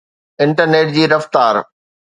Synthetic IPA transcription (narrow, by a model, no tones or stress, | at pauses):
ɪ̃ɳʈəɾneːʈ̚d͡ʑiːɾɐft̪aːɾ